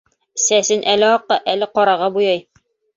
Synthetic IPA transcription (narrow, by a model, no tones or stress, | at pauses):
sæsɘnʔælɘɒqːɑʔælɘqɒɾɑʁɑbujɑj